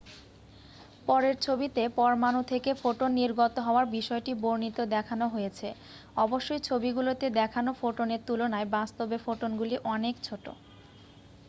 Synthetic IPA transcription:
pɔɾeɾt͡ɕʰobit̪epɔɾmanut̪ʰekefoʈonːiɾɡot̪oɦɔoaɾbiʃɔeʈiboɾnit̪od̪ɛkʰanoɦojet͡ɕʰe | ɔboʃːojt͡ɕʰobiɡulot̪ed̪ɛkʰanofoʈoneɾt̪ulonaebast̪obefoʈonɡuliʔɔnekt͡ɕʰoʈo̰

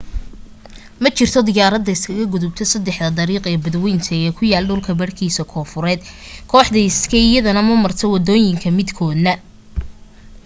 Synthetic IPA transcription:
mɐt͡ʃɪrt̪ʰɔd̪ɪjaːɾɐd̪ːɐɪskʰɐɣɐɡʊðʊb̚t̪ʰɔsɐd̪ɛħd̪ɐd̪ɐɾiːqɛːbɐd̪wɛjnt̪ʰɐɛːkʰʊjaːlɖʊlkʰɐbɐrkʰiːsɐkʰɔːfʊɾɛːd̪kʰɔːħd̪ɐɪskʰɛɪjɐðɐnɐmɐmɐrt̪ʰɔwɐd̪ɔːjɪŋkʰɐmɪd̪kʰɔːd̪nɐ

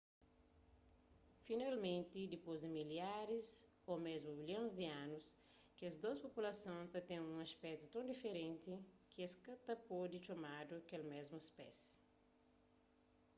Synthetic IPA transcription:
finalmẽnt̪id̪ipozd̪emiljaɾiz | omezmubiljõzd̪iãnus | kiɐzd̪ospopulɐsõnt̪ɐt̪ẽŋũŋɐspɛt̪ut̪ɐ̃d̪ifeɾẽnt̪ikieskɐt̪ɐpod̪it͡ʃomad̪uɐkelmɛzmuespɛ̰s

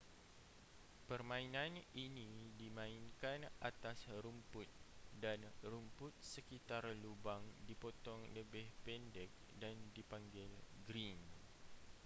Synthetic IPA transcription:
pərmãinãninidimãinkanat̪asɾumpʊt̪̚danrumpʊt̪̚səkit̪arlubaŋdipot̪ɔŋləbɪhpɛndɛk̚dandipaŋɡɪlɡɾin

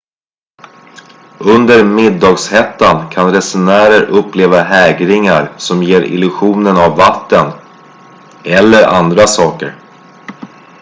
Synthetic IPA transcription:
ɵnd̪əɾmɪd̪ːɑːɡshɛt̪ːankʰanɾɛsʊnæːɾəɾʔɵpːleːvaɦɛːɡɾɪŋaɾsɔmjeːɾɪ̰lɵɧuːnənavːat̪ːən | ɛlːəɾʔa̰nd̪ɾasɑːkəɾ

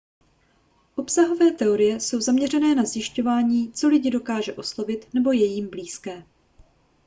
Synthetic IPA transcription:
ʔo̞psaɦo̞vɛːt̪ɛo̞ɾɪjɛso̞wzamɲɛr̝ɛnɛːnazjɪʃco̞vaːɲiːt͡so̞lɪɟɪdo̞kaːʒɛʔo̞slo̞vɪt̪nɛbo̞jɛjiːmbliːskɛː

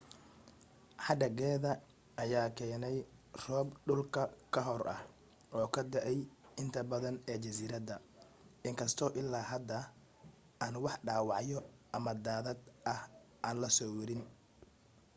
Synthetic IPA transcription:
ħɑɖ̪ɐɡɛːðɐ | ʔɐjaːkʰɛːnɛjrɔːbɖʊlkʰɐkʰɐɦɔrʔɐ̰h | ɔːkʰɐd̪ɐʔɛjɪnt̪ʰɐbɐðɐnɛːt͡ʃɐsiːɾɐd̪ɐ | ɪŋkʰɐst̪ʰɔːʔɪlːaːɦɐd̪ɐ | aːnwɑħɖaːwɑʕjɔʔɐmɐd̪aːðɐd̪ʔɐhʔaːnlɐsɔːwɐɾɪn

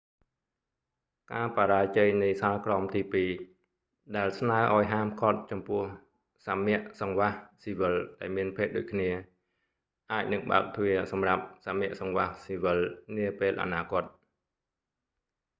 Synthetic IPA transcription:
kaːpaɾaːt͡ɕəːjnɨjsaːlkrɑmt̪iːpiː | ɗaɛlsnaəʔaɔjɦaːmkʰot̪̚t͡ɕɑmpʊəh | samɛ̆əʔsɑŋʋahsiːʋɨlɗaɛlmiənpʰeːt̪̚ɗo̰ːc̚kʰniə | ʔaːc̚nɨŋɓa̰əp̚t̪ʰʋiəsɑmrap̚samɛ̆əʔsɑŋʋahsiːʋɨlniəpeːlʔa̰naːkŏət̪̚

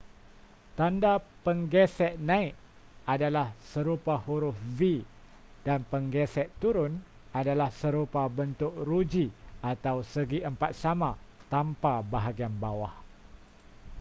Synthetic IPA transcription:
t̪andapəŋɡɛsɛʔ̪̚nãit̪̚ | ʔadalahsəɾupahuɾʊfvi | danpəŋɡɛsɛt̪ːuɾʊn | adalahsəɾupabənt̪ʊk̚ɾud͡ʒiat̪awsəɡiʔəmpat̪̚samãt̪ampabaɦaɡianbawah

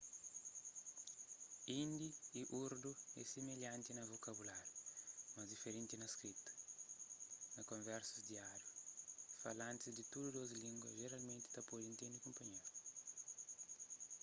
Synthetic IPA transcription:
ĩnd̪iiʔuɾd̪uɛ̰semeʎãnt̪inɐvokɐβulaɾjumɐzd̪ifeɾẽnt̪inɐskɾit̪ɐ̥ | nɐkõɱvɛɾsɐzd̪iaɾjufɐlãnt̪izd̪it̪udud̪ozlĩŋɡwɐʒeɾalmẽnt̪i̥t̪ɐpodĩnt̪ẽnd̪ikõmpɐɲe

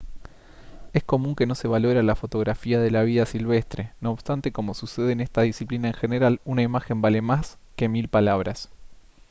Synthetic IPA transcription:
e̞sko̞mũŋke̞no̞se̞βalo̞ɾalafo̞t̪o̞ɣɾafiað̞e̞laβ̞iðasilβ̞e̞st̪ɾe̞no̞ːβst̪ant̪e̞ko̞mo̞suse̞ð̞eːne̞st̪aðisiplinaeŋxene̞ɾalunaimaxe̞mbale̞maske̞milpalaβ̞ɾas

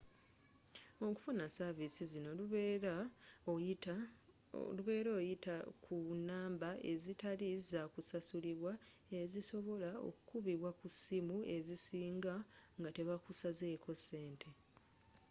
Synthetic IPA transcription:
o̞ku̥funasavisizino̞luβeɾao | luβe̞ːɾoːjitakʰunaːmbaʔe̞zitalizakusasuliβwae̞ziso̞βo̞lao̰kukuβiβwakusimue̞zisiːŋɡaŋɡate̞βakusazeːkʰo̞sːe̞ːntʰe̞

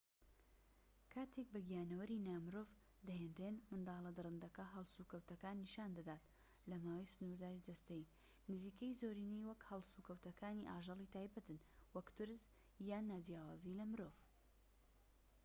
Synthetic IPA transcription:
kʰaːt̪ʰek̚bɨɡijaːnɐwɐɾinaːmɨɾoːv | d̪ɐheːnrenmɨnd̪ɑːlˠɐd̪ɨɾɨnd̪ɐkɐɦɐlˠsukɐwt̪ɐkaːnːiʃaːnd̪ad̪aːt̪ | lɐmaːwɐjsɨnuɾd̪aːɾid̪ɐst̪ɐji | nɨziːkɐjzoːɾiːnejwɐkhɐlˠsukɐwt̪ɐkaːniʔaːʒɑlˠit̪ʰaːjbɐt̪ɨn | wɐkt̪ʊɾz | jaːnːaːd͡ʒjaːwaːzilɐmɨɾoːv

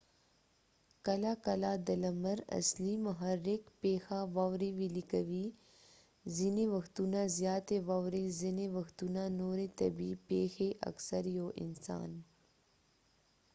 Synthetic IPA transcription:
kɐlakɐlad̪ɐlɐməɾɐ̰slimɐɦɐɾːɪkpeːxaʋawɾiʋilikɐʋi | zineʋɐxt̪unãzjaːt̪eʋawɾezineʋɐxt̪unanoːɾet̪ɐ̰bipeːxeʔɐ̰ksəɾjoʔɪ̰nsa̰ːn

